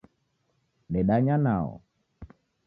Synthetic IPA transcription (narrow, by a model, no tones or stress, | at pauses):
ɗɛɗaɲana̰ɔ̰